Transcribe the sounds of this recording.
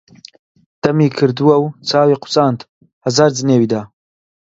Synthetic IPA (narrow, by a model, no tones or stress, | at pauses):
d̪̥ɐmiːkʰɨɾd̪uwɐwt͡sʰaːwiqʰʊ̥t͡sʼant̪ | hɐzaːɾd͡zɨneːwid̪aː